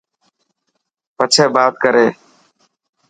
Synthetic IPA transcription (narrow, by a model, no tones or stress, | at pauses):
pət͡ʃʰeːbaːt̪̚kəɾeː